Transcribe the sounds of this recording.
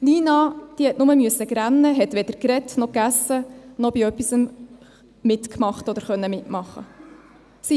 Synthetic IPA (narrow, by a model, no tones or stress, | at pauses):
liːnɑd̥ihɛtnʊməmyəsːəɡɾænːəɦɛt̪ʋɛd̪əɾkɾɛtnɔkæsːənɔb̥iœpːisəm | mɪtkmɑχtɔd̪əɾχœnːəmɪtmɑχːə̰ | si